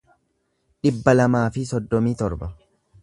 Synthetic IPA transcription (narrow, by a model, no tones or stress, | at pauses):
ᶑɪbːɐlɐmaːfɪsɔd̪ːɔmiːt̪ɔɾbɐ